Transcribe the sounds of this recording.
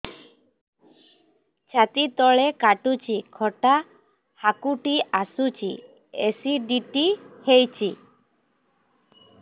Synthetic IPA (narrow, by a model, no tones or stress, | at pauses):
t͡ʃʰat̪it̪ɔɭekaʈut͡ʃʰikʰɔʈa | hakuʈiasut͡ʃʰḭ | esiɖiʈihejt͡ʃʰi